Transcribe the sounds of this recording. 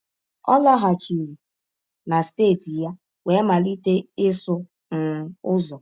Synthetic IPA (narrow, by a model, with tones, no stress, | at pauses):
ɔ̰˦la˦ɦa˨t͡ʃi˨ɾi˨ | na˨steː˦˨ti˨ja˦ | we˨˦ma˨li˦te˦ɪ˦sʊ˦ | n̩˨˦ʊ˦zɔ˨